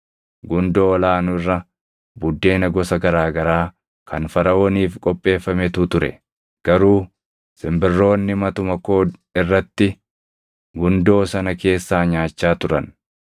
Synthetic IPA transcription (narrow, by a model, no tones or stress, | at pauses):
ɡʊnd̪oːɔlaːnʊrːɐ | bʊd̪ːe̞ːnɐɡɔsɐɡɐɾaːɡɐɾaː | kʰɐnfɐɾɐoːniːfkʼɔpʼːe̞ːfːɐmɛt̪ut̪ʊɾɛ̰ | ɡ̥ɐɾuː | sɪmbɪrːo̞ːnːɪmɐt̪ʊmɐko̞ːd̪ɪrːɐt̪ːɪ | ɡʊnd̪o̞ːsɐnɐke̞ːsːaːɲaːt͡ʃːaːt̪ʊɾɐn